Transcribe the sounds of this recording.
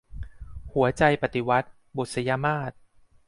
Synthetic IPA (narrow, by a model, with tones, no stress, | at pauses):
hu˨˩˦ɐt͡ɕa˧jpa˨˩t̪i˨˩wa˦˥t̪̚ | bo˨˩t̪̚sa˧jaː˧maː˥˩t̪̚